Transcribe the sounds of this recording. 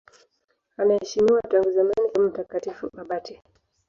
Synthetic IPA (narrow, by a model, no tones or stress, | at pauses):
anahɛʃimiwataŋɡuzamanikamm̩takatifuɓaɓati